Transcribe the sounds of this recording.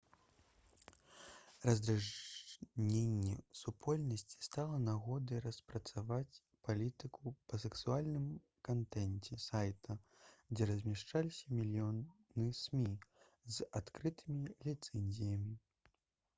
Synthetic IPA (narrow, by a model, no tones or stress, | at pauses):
rɐzd̪ɾaʐ | nʲenʲːɛsupʰɔlʲnɐsʲt͡sʲi̥st̪alˠɐnaɣɔd̪ɨjrɐspɾɐt̪savat͡sʲ | palʲit̪ɨkupɐsɛksualʲnɨm | kant̪ɛnʲt͡sʲɛsajt̪ɐd͡zʲɛɾɐzʲmʲɛʂt͡ʂalʲisʲɐmʲilʲijɔ | nɨsʲmʲi | zat̪kɾɨt̪ɨmʲilʲit̪sɛnʲzʲijɐmʲi